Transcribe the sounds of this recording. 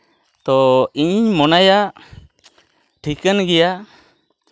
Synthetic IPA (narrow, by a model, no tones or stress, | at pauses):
t̪ɔiɲɲmɔnaja | ʈʰikənɡɛja